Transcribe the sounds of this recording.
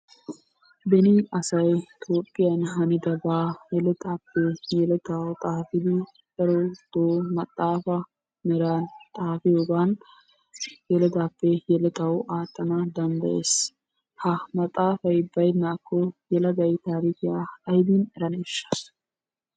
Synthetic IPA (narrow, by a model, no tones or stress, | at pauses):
bɛnɪɐsɐjt̪oːpʼːɪjɐnɦɐnɪd̪ɐbaːjɛlɛt̪aːpːɛjɛlɛt̪awt̪ʼaːfɪd̪ɪ | dɛɾod̪̥oːmɐt̪ʼːaːfɐ | mɛɾaːnt̪ʼaːfɪjoɡaːn | jɛlɛd̪aːpːɛjɛlɛt̪ɐwaːt̪ʼːɐnɐd̪ɐnd̪ɐjḛs | hɐmɐt̪ʼːaːfɐjbɐjnaːkʰːɔjɛlɐɡ̪ɐjt̪aːɾiːkɪjaːɐjb̪inɛɾɐneːʃːɐ̥